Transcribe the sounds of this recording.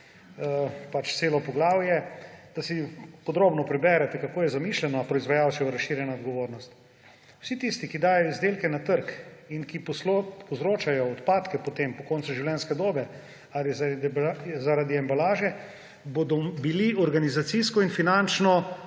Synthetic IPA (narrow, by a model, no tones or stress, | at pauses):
pat͡ʃt̪seːlɔpɔɡlaːwjɛd̪̥asipɔd̪ɾoːbnɔpɾɛbɛɾɛt̪ɛkakoːjɛzamislɛnɔapɾɔizʋajawʃɛuɾaʃːiːɾjɛnaod̪ɡɔʋoːɾnɔst̪ | wsit̪ist̪ikid̪aːjɔizd̪eːlkɛnat̪əɾkinkippɔzɾoːt͡ʃajɔːt̪paːt̪kɛpot̪empɔkɔːnt̪suʒiwljɛnskɛd̪oːbɛ | alizazaɾad̪iambalaːʒɛ | bod̪ɔbiliɔɾɡanizat̪siskɔinfinant͡ʃnɔ